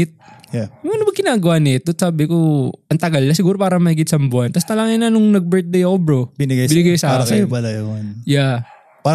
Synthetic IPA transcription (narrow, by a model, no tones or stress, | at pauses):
t̪̚janobɐkɪnaːɡɐwanɪt̪̚d̪ot̪saːbɪkoʔɐnt̪ɐɡɐlːasɪɡuːɾo̞paːɾɐmɐhɪɡɪt̪̚sɐmbʊʔɐnt̪ɐsnɐlaŋɪnɐnʊŋnɐɡ̚bɛɹt̪̚d̪ejɐkobɾobɪnɪɡajbɪnɪɡajsaaːɾːɐksɐjopɐlɐjoonja | pa